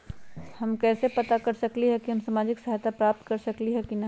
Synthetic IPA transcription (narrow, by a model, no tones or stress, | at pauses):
hɐmkɛːsepɐt̪akɐɾsɐkliɦɛkiʊnsaːmaːd͡ʒɪksɐɦjt̪apɾaːp̚t̪kɐɾsɐkliɦɛkinɐ